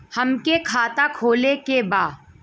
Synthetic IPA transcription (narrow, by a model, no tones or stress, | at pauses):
hɐmkekʰaːt̪akʰoːlekebaː